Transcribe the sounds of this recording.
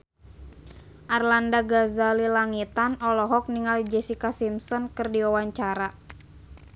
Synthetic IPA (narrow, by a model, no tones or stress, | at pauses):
ʔarlandaɡazalilaŋit̪anɔlɔɦɔk̚niŋald͡ʒɛsikasimsɔnkɨrdiawaɲt͡ʃaɾa